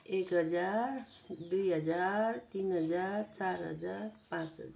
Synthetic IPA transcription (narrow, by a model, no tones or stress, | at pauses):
ekɦəd͡zaɾ | d̪ujɦəd͡zaɾt̪inɦəd͡zaɾt͡saɾɦə̰d͡zaɾpãt͡sɦə̰d͡zaɾ